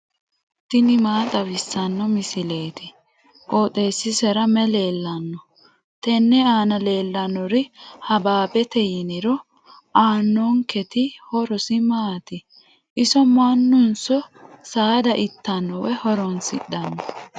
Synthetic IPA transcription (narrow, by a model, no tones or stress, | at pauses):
t̪ɪnɪmaːt̪ʼɐβɪsːɐnːɔmɪsɪle̞ːt̪ɪ | ʔoːt̪ʼeːsːɪsɛɾɐmɛle̞ːlːɐnːɔ | t̪ɛnːɛaːnɐle̞ːlːɐnːɔɾɪhɐbaːbɛt̪ɛjɪnɪɾɔ | aːnːɔŋkɛt̪ɪhɔɾɔsɪmaːt̪ɪ | ʔɪsɔmanːʊnsɔsaːd̪ɐʔɪt̪ːɐnːɔwɛhɔɾɔnsɪ̰ɗːɐnːɔ